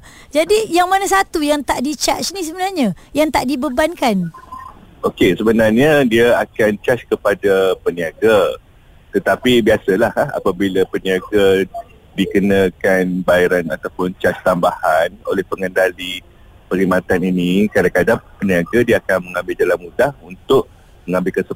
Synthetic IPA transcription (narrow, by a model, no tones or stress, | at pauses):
d͡ʒadijaŋmanasat̪ujaŋt̪aʔdit͡ʃa̰t͡ʃnĩs̬əbənarɲãjaŋt̪aʔdibəbankan | ʔokesəbənarɲãdiaakant͡ʃat͡ʃkəpadapəniaɡa | t̪ət̪apibiasalaha̰pabilapəniaɡa | dikənakanbaiɾana̰t̪awpʊnt͡ʃat͡ʃt̪ambahano̰lɛhpəŋəndali | pəɾimat̪aninĩkadakadapəniaɡadiaakanmə̃ŋãmbɪld͡ʒalanmudahunt̪ʊʔ̚ | məŋãmbɪlkəsə